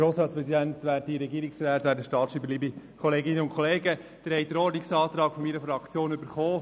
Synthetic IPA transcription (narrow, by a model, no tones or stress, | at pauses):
ɾoːsɾɑːtspɾɛsidæntʋæːɾtiɾɛɡiːɾiksræːtʋæːɾdəʃtɑːtsʃɾiːbəliːbikʰɔleːɡɪnəʊnkʰɔleːɡə | d̥ɪɾhɛɪd̥̪əɾɔːɾdniksɑːt̪ɾɑːɡfɔmiɾəfɾɑkt͡sjoːnʏbəɾχoː